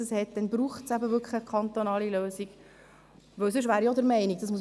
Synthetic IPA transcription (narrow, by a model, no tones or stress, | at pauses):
əshɛt̚d̥̪ɛnbɾuːχtsæbəvʏkχləkʰɑnt̪onɑːliløːsiɡ | ʋɵwsʏʃ̬vʋæːɾjod̪əɾmɛɪniɡ̚d̥ɑs̬mus